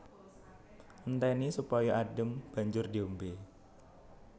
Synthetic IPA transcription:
ʔnt̪ɛnisupɔjɔʔaɖəmb̥a̤ɲd͡ʒʊrdiombe

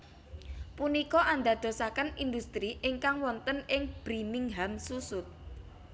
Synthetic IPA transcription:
punikɔʔand̪a̤d̪̥o̤sakənind̪ust̪ɾiʔɪŋkaŋwɔnt̪ənɪŋb̥ɾinɪŋɦamsusʊt̪̚

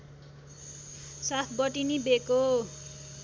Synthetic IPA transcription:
sat̪ʰbʌʈinibeko

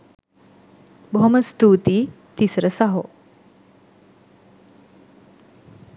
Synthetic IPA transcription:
bʱoməst̪ʰut̪i | t̪isɾəsaɦo̰

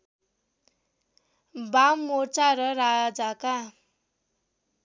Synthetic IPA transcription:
bammːot͡saɾʌɾad͡zaka

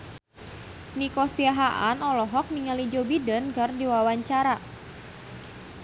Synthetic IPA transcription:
nikɔsiaɦaʔa̰nɔlɔɦɔk̚miŋalid͡ʒobidənɡərdiwawaɲt͡ʃaɾa

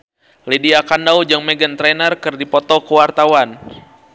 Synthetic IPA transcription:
lediakandaud͡ʒaŋmɛɡənt̪ɾɛnərkɨrdipɔt̪ɔkəwart̪awan

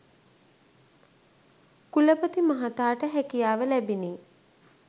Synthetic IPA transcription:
kuləpət̪imaɦat̪aːʈəɦækijaːʋəlæbiniː

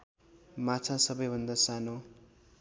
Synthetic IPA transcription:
mat͡sʰãsʌbʌjbʱʌnd̪asano

